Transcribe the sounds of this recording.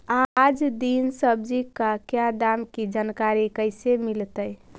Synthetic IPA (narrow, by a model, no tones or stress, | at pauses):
ad͡ʒd̪insəbd͡ʒikakjad̪amkid͡ʒankaɾikəɪsemilt̪əj